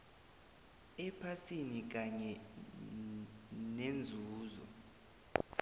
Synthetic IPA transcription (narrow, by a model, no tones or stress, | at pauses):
ɛpʰasinik̬aɲɛ | nend͡zʱuːzɔ̰